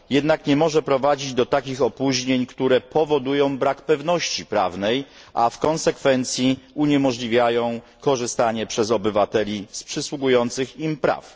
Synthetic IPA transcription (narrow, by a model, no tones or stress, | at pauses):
jɛd̪nakɲɛmɔʐɛpɾɔvad͡ʑid͡ʑd̪ɔt̪akʲixɔpuʑɲeɲkt̪uɾɛpɔvɔd̪ujɔ̃w̃bɾakpɛvnɔɕt͡ɕipɾa̰vnɛj | ʔafkɔnsɛkfɛnt̪sʲjiuɲɛmɔʐlʲivʲjajɔ̃w̃ | kɔʐɘst̪aɲɛpʂɛzɔbɘvat̪ɛlʲispʂɘswuɡujɔnt̪sɘximpɾa̰f